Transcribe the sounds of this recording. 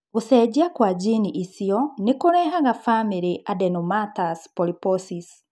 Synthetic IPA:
ɣosɛd͡ʑiakwad͡ʑiniʔisiɔnekoɾɛːɦaɣafamiɾiʔʔadɛnomataspɔlipɔsis

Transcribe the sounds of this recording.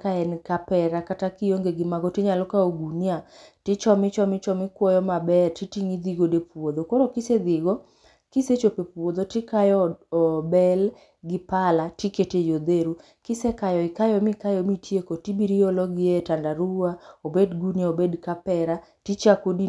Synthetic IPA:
kaɛnkapɛɾakatakijoŋɡeɡɪmaɡɔtɪɲalɔkaoɡunjatɪt͡ʃɔmɪt͡ʃɔmɪt͡ʃɔmɪkwɔjɔmabɛrtitiŋid̪iɡodepwod̪okoɾokɪsed̪ɪɡo | kiset͡ʃopepwod̪otɪkajɔɔbɛl | ɡɪpalatiketejod̪eɾu | kɪsekajɔɪkajɔmikajɔmitjekotibiɾiɔlɔɡietandaɾuaobedɡuniaobedkapɛɾatit͡ʃakodi

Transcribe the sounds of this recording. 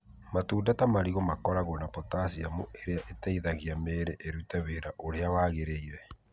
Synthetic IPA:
matuːndatamaɾiɣɔmakɔɾaɣɔnapɔtasiamuʔeɾeaʔetaiðaɣiameːɾeʔeɾutɛweɾaʔoɾeaβaɣeɾeiɾɛ

